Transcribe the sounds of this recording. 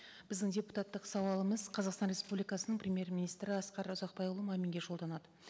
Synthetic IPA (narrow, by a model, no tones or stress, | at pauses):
b̥ɪzd̪ɪŋdʲe̞pu̥t̪at̪ːəqsɑwɑlˠəməzqʰɑzɑqst̪ɑnrʲe̞spublijkɑsənəɴprʲemʲje̞rmʲinijst̪ɾɪɑsqɑɾʊzɑq̚pɑjʊlˠəmɑmeŋɡʲe̞ʒo̞lˠd̪ɑnɑd̪ə